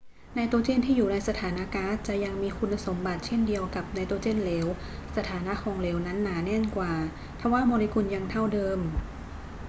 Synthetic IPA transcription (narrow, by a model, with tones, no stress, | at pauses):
na˧jt̪o˧t͡ɕeː˥˩˨nt̪ʰiː˥˩juː˨˩na˧jsa˧t̪ʰaː˩˦na˧˥kaː˦˥t͡ɕa˨˩ʔja˧ŋmiː˧kʰu˧nːa˧so˩˦mba˨˩t̪̚t͡ɕʰe˥˩ndi˧əwka˨˩p̚na˧jt̪o˧t͡ɕeː˥˨nleː˩˦w | sa˧t̪ʰaː˩˦na˦˥ʔkʰɔː˧ŋleː˩˦wna˦˥nːaː˩˦nɛ˥˩˨nkwaː˨˩ | pʰa˧˥waː˥˩moː˧li˧kʰu˧nja˧ŋt̪ʰa˥˩wdɤː˧m